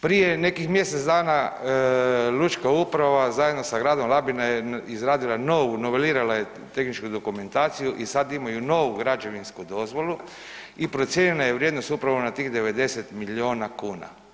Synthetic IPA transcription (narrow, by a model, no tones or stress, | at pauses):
pɾije̞ne̞kixmje̞set̪d̪aːna | lut͡ʃkaupɾaʋazajed̪no̞saɡɾaːd̪o̞mlˠabinajeizɾaːd̪ilano̞ʋunoʋeliːɾalaje | t̪e̞xnit͡ʃkud̪o̞kume̞nt̪aːt̪sijuʔisad̪imajuno̞ːʋuɡɾad͡ʒe̞ʋinskud̪o̞zʋo̞lu | ipɾo̞t̪sje̞nilajeʋɾje̞d̪no̞st̪upɾaʋonat̪iːxd̪e̞ʋe̞d̪e̞set̪milio̞ːnakuːna̰